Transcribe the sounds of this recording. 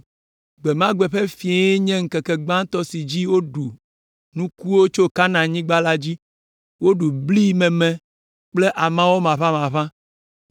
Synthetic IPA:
ɡ͡be˨mã˦ɡ͡bɛ˨ɸe˦fi˨e˦e˦ɲɛ̃˦ŋ̩˦kɛ˨kɛ˨ɡ͡bã˦t̪ɔ˦si˨d͡ʑi˦wo˦ɖu˨ | nũ˦ku˦wo˦t͡ʃo˦ka˦nã˨ɲĩ˦ɡ͡ba˦la˦d͡ʑi˦ | wo˦ɖu˨bli˦mɛ̃˨mɛ̃˨ | k͡ple˦ʔa˨mã˦wo˦mã˨βã˦mã˨βã˦

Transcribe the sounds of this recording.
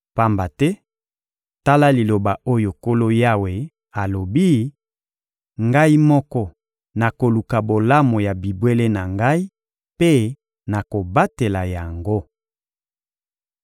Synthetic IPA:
pa˦mba˨tɛ˦ | ta˦la˦li˨lo˨ba˨ʔo˦jo˨ko˦lo˦ja˦we˨ | a˨lo˨bi˦ | ŋɡa˦i˦mɔ˦kɔ˦ | na˨ko˨lu˨ka˨bo˨la˦mo˨ja˨bi˨bwe˦le˦na˨ŋɡa˦i˦ | pe˦ | na˨ko˨ba˦te˨la˨ja˨ŋɡo˦

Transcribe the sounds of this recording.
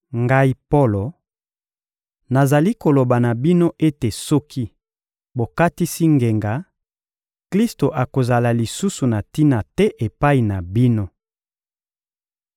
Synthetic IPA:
ŋɡa˦i˦po˦lo˨ | na˨za˨li˦ko˨lo˨ba˨na˨bi˦no˦ʔe˦te˨sɔ˦kʰi˦ | bo˨ka˦ti˦si˦ŋɡe˨ŋɡa˨˦ | kli˦sto˨ʔa˨ko˨za˨la˨li˨su˦su˨na˨ti˦na˨tɛ˦ʔe˨pa˦i˨na˨bi˦no˦

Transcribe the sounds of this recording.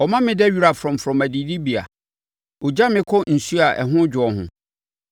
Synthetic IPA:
ɔ˨mã˦mɪ̃˦dɛ˦ɥi˦ɾa˨fɾɔ̃˨m˨fɾɔ̃˨mæ˨di˨di˦bi˨a̰˨ | o˨d͡ʑa˦mɪ̃˦kʰɔ˦n̩˨su˦a˨ʔɛ̰˨ɦʊ̃˦d͡ʑʊ˨ɔ˨hʊ̰̃˨

